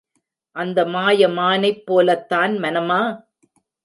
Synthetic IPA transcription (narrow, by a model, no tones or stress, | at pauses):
ʔɐnd̪ɐmaːjɐmaːnɐɪpːoːlɐt̪ːaːnmɐnɐmaː